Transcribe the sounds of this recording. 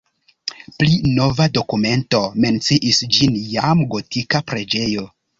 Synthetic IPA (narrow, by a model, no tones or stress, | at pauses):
plino̞vado̞kume̞nto̞me̞nt͡siʔisd͡ʒinjamɡo̞tikapɾe̞d͡ʒe̞jo̞